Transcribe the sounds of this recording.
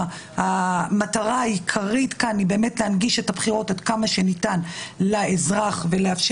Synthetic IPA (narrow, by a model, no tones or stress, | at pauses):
hamataʁaajikʰaʁitkanibe̞ːmetleanɡiʃe̞thabχiʁo̞tadkamaʃe̞nitanlaezʁaχve̞leafʃ